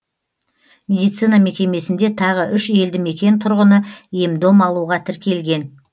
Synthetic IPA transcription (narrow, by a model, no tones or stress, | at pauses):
mʲe̞d̪ijt̪sɨjnɑme̞kʲe̞me̞sɪnd̪e̞t̪ʰɑʁəʔʏʃe̞ld̪ɪme̞kʲe̞nt̪ʰʊɾʁənəje̞md̪o̞mɑlˠuʁɑt̪ʰɪɾkʲe̞lɡʲe̞n